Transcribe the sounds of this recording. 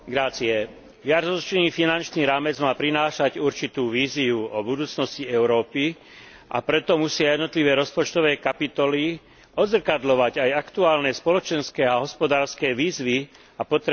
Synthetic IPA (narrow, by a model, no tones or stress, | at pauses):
ɡɾaːt͡siɛ | jaɾzɔt͡ʃniːfinant͡ʃniːɾaːmɛd͡zmaːpɾinaːʃaɟuɾt͡ʃit̪uːʋiːziuɔbud̪uːt͡snɔsciɛʊɾɔːpi | ʔa̰pɾɛt̪ɔmusɪajɛd̪nɔt̪liʋɛːɾɔspɔt͡ʃt̪ɔʋɛːkapit̪ɔli | ɔd̪zr̩kad̪lɔʋaɟajakt̪uaːlnɛspɔlɔt͡ʃɛnskɛːaɦɔspɔd̪aːɾskɛːʋiːzʋi | apɔt̪ɾ